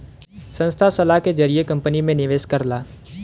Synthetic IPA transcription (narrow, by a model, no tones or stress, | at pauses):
sə̃nst̪ʰasəlaɦked͡ʒəɾijekɐ̃mpənimẽnɪʋeːʃkəɾlaː